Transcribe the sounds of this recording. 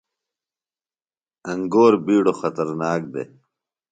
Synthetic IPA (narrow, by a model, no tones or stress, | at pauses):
ɐŋɡoːɾbiːɽoxɐt̪ɐɾnaːk̚d̪ḛ